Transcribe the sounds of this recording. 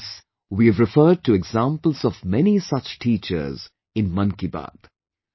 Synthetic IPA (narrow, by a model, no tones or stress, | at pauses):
s | wiɨvɾɪfəːɖ̚ʈuɛɡzãːmpəl̩ˠzɔvmɛnisʌt͡ʃʈʰiːt͡ʃə̰ɾz | ɪ̃nmʌ̃nkiba̰d̥